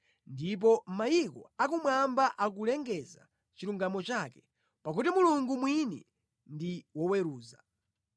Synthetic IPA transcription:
ndip̬ɔm̩majikɔ̰ak̬umwambaʔak̬ulɛŋɡɛza̰ | t͡ʃiɾuŋɡamɔt͡ʃaːkɛ̥ | pakutimuluŋɡumwinḭ | ndiwɔwɛɾuːza̰

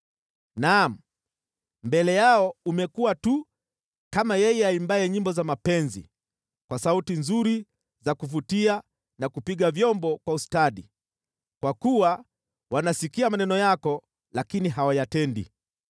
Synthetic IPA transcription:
nam̩ | mbɛlɛjaɔumɛkuwatu | kamajɛjɛaimbaɛɲimbɔzamapɛnzḭ | kwasautinzuɾi | zakufutia | nakupiɠavjɔmbɔkwaustaɗi | kwakuwa | wanasikiamanɛnɔjakɔ | lakiniɦawajatɛndḭ

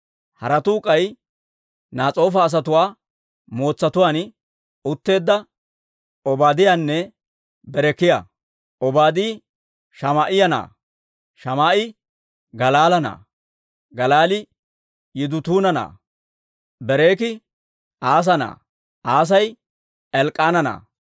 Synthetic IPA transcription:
hɐɾɐt̪uːkʼɐj | naːt͡sʼo̞ːfɐːs̬ɐt̪ʊwaː | mo̞ːt͡sːɐt̪ʊwaːn | ʊt̪ːe̞ːd̪ːɐ | ɔbaːd̪ɪjanːɛ | bɛɾɛkːɪja̰ː | ʔɔbaːd̪iː | ʃɐmaːʔɪjɐna̰ː | ʃɐmaːʔɪ | ɡɐlaːlɐna̰ː | ɡɐlaːlɪ | jɪd̪ʊt̪uːnɐna̰ː | bɛɾe̞ːkɪ | ʔaːs̬ɐna̰ː | ʔaːs̬ɐj | ɛlkʼːaːnɐna̰ː

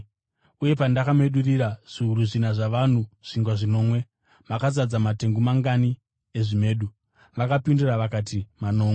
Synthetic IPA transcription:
uje̞pandakame̞ɗuriɾaʐ̥uuɾuʐinaʐaʋan̤uʐ̥iŋɡwaʐino̞ːmwe̞ | makazad͡zamate̞ŋɡumaŋɡani | eʐime̞ːɗu | ʋakapinduraʋakatimano̞ːme

